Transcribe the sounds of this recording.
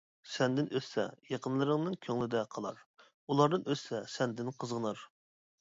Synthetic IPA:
sɛnd̪ɪnʔøssɛ̰jɑqʰənlˠɨɾɨŋnɨnkʲʰøŋlɪd̪ɛqʰɑlˠɑ̰ɾ | ulˠɑɾd̪ɨnøssɛsɛnd̪ɪnqʰəzʁənɑɾ

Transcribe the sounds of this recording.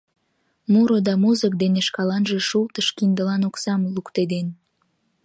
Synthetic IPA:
muɾod̪ɑmuzək̚d̪eneʃkɑlɑnʒeʃult̪əʃkind̪əlɑnoksɑmlukt̪ed̪en

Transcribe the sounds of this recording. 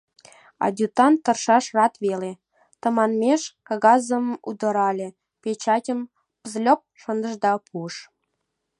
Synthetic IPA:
ɑ̰d̪ʲut̪ɑnt̪ə̆rʃɑʃrɑt̪βele | t̪ə̆mɑnmʲeʃkɑɣɑzə̆mmud̪ə̆ɾɑlʲe | pet͡ɕɑtʲəm | pəzlʲop̚ʃə̆nd̪ə̆ʒd̪ɑpʰuəʃ

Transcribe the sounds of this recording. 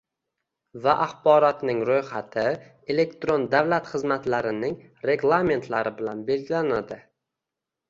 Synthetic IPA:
vaʔaχbɒɾɒt̪nɪŋɾojχat̪ʰɪ | e̞le̞kt̪ɾond̪awlat̪χɨzmat̪laɾɪnɪŋ | ɾe̞ɡlˠame̞nt̪ʰlaɾɪbɪlanbe̞lɡʲɪlanad̪ɪ

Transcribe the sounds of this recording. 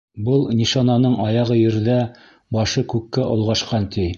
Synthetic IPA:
bɤlˠnʲiʃɑnɑnɤɴɑjɑʁɤjɘ̆ɾðæ | bɑʃɤkʉkːæʔŏlˠʁɑʃqɑnt̪ʰi

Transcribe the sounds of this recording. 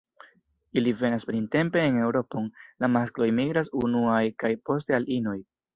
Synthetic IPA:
ilive̞naspɾinte̞mpe̞ːne̞wɾo̞po̞nlamasklo̞jmiɡɾasunuajkajpo̞s̬te̞alino̞j

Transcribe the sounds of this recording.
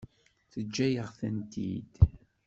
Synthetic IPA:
θəd͡ʒːæjəʁθənt̪ḭd̪̥

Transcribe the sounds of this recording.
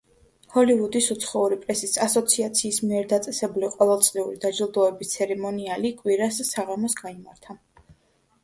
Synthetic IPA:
hɔlivud̪isut̪sʰχɔuɾipʼɾɛsisasɔt̪sʰiat̪sʰiːsmiɛɾd̪at̪sʼɛsɛbuliqʼɔvɛlˠt̪sʼliuɾid̪ad͡ʒilˠd̪ɔɛbist̪sʰɛɾɛmɔnialikʼwiɾassaʁamɔsɡaimaɾt̪ʰa

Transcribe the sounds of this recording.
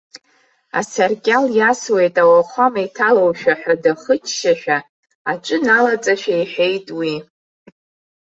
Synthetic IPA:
a̰sarkʲʼaljaswe̞jtʼawalχʷamajtʰalowʃᶣaħᶣadaχət͡ʃʰʃaʃᶣa | aʈ͡ʂʷʼɨnalat͡sʼaʃᶣajħe̞jtʼwi

